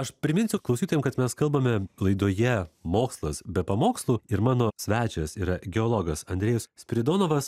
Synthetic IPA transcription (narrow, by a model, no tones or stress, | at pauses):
ɐʃpʲɾʲɪmʲɪnʲsʲʊklˠɐʊsʲiːt̪oːjɛmkɐt̪mʲɛskɐlˠbɐmʲɛlˠɐɪd̪oːjɛmoːkslˠɐsbʲɛpɐmoːkslˠuːɪɾmɑːnoːsʲʋʲæːt͡ʃʲɛsiːɾɐɡʲɛoːlˠoːɡɐsɐnʲd̪ʲɾʲeːjɛssʲpʲɾʲɪd̪oːnoːʋɐs